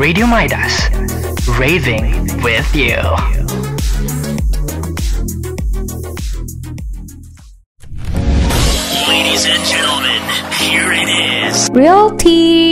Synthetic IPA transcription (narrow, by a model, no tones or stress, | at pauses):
ɹeɪɾiomaɪdə̰s | ɹeɪðɪ̃ŋwɪðjʉ̰ | leɪɾizɨ̃nd͡ʒɛ̃ñl̩ˠmɨ̃nhiɹɪɾɪz̥ɹialtʰi